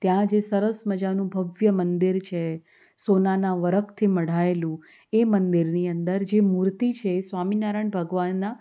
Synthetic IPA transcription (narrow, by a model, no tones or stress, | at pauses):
t̪jãd͡ʒesəɾəsməd͡ʒanũbʱəʋjəmənd̪iɾt͡ʃʰe | sonanãʋəɾəkʰt̪ʰiməɽ̤aelũ | emənd̪iɾniənd̪əɾd͡ʒemuɾt̪it͡ʃʰeːsʋaminaɾəɳbʱəɡʋanːa